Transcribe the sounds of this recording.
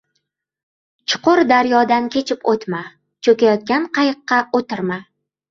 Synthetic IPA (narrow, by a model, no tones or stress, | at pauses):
t͡ʃʰʊ̥qʊɾd̪aɾjɒd̪ankʲʰe̞t͡ʃʰɪpot̪ma | t͡ʃʰɵkʲajɒt̪̚kʲanqʰɑjɨqːɑot̪ɪɾma